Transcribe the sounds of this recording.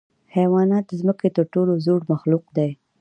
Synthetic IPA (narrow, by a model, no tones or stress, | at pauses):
hajwɑnɑt̪̚d̪əzməket̪əɾʈolozoɽmaxluqd̪aj